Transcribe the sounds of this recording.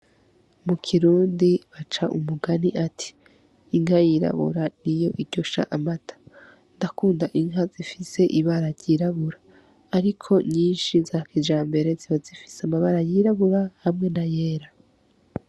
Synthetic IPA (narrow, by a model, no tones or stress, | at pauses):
mukʰiɾuːndiβat͡ʃaʔṵmuɡaniʔatʰi̥ː | ŋhajiɾa̰βṵɾanijo̞ʔiɾɟo̞ʃa̰ʔamatʰḁ | ndakuːndaʔiŋɦazifise̞ʔiβaɾaɾɟiɾaβuɾaː | ɾikʰo̞ɲiːnʃizaːkid͡ʒaːmbe̞ɾe̞ziβazifi̥seamaβaɾajiɾaβuɾahamŋe̞naje̞ːɾa